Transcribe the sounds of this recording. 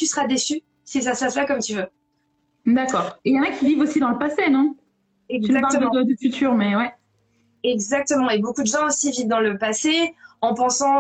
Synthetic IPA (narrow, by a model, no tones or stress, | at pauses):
t̪ysəʁad̪esy | sis̬asəpaslakɔmt̪yvø | d̪akɔːʁejɑ̃nakʲivivosid̪ɑ̃ləpasenɔ̃ | ɛɡyzakptəvɛ̃d̪əfyt̪ʰyːʁmɛwɛ | ɛɡzak̚t̪əmɑ̃ebokud̪əʒɑ̃osivivd̪ɑ̃ləpaseɑ̃pɑ̃sɑ̃